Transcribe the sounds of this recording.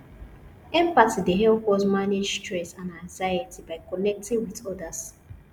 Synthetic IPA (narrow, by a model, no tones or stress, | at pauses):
ɛ̃mpatideɦɛlpɔsmaned͡ʒtɹɛsãnãŋzajətʰibaɪkɔnɛk̚tĩŋwiðɔdas